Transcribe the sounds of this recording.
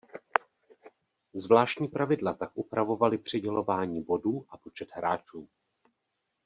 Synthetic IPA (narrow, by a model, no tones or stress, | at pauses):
zvlaːʃcɲiːpɾavɪdlat̪akʔupɾavo̞valɪpr̝̥ɪɟɛlo̞vaːɲiːbo̞duːʔapo̞t͡ʃɛt̪ɦɾaːt͡ʃuː